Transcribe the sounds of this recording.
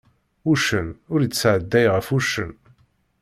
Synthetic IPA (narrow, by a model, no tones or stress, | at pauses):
uʃənʊɾət͡sːʕəd̪ːæjʁəfuʃə̰n